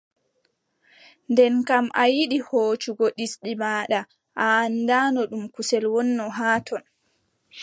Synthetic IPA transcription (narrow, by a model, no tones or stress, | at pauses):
ndɛnkamʔajiɗihoːt͡ʃuɡɔɗisɗimaːɗa | ʔaːndaːnɔɗumkusɛlwɔnːɔɦaːtʰɔn